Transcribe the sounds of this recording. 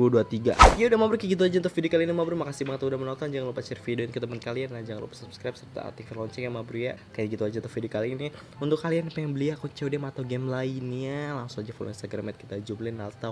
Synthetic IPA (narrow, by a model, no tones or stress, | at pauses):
uduat̪iɡa̰iaudahmabɾukaɡit̪uad͡ʒant̪ɔfidiokalinimabɾumakasibaŋət̪udahmənɔnt̪ɔnd͡ʒaŋalupat͡ʃɛrfidinkit̪amənkalianːahd͡ʒaŋanlṵpḁsupskɾap̚sərt̪a̰t̪ifilɔɲt͡ʃɛkjamabɾuja̰kajaɡit̪uad͡ʒant̪ofidiokalini | unt̪ʊkːalianapajaŋbəliakut͡ʃɛwdɛmaːt̪awɡɛmlainalaŋsʊŋad͡ʒafɔlɔ̰minst̪aɡɾamɛt̪̚kit̪ad͡ʒumlɪnalt̪a